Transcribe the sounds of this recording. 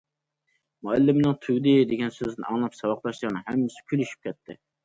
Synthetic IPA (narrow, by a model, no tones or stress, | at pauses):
muælːɪmɪnɨŋt̪ʰyɡʲd̪ɪd̪eɡʲɛnsøznɪ̰ɑŋlˠɑpsɑwɑq̚t̪ˠɑʃlˠɑɾnɨhɛmːɪsɪ̥kʲʰylyʃy̥p̚kʲʰɛt̪ʰːɪ̰